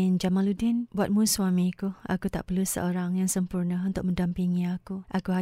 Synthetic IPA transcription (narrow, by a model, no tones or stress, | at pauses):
nd͡ʒamãludɪnbuat̪̚mũswamikua̰kut̪a̰ʔpərlusə̰ʔoɾaŋjaŋsəmpurnəũnt̪ʊk̚mə̃ndampiŋiakuʔakuɦa